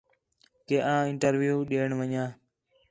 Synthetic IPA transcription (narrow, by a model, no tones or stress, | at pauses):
keːʔãːɪɳʈəɾʋjuːɗeːɳʋəɲãː